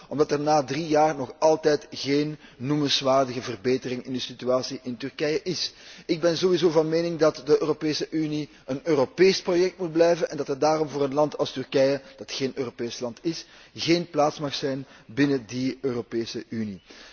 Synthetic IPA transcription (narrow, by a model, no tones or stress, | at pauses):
ɔmdɑtərnaːdrijaːrnɔxɑlˠtɛjtɣeːnːumənsʋaːrdəɣəvərbeːtərɪŋɪndəsityaːsiʔɪntɵrkɛjəʔɪsɪɡ̚bɛnzowizoːvɑnmeːnɪŋdɑtdəøːropeːsəʔyni | ənøːropeːsprojɛk̚tmut̚blɛjvənɛndɑtədaːɾɔmvoːɾənlɑntʰɑlˠstʏrkɛjəd̥ɑtxeːnøːropeːslɑntɪs | ɣeːnplaːtsmɑxsɛjnbɪnədiøːropeːsəʔyni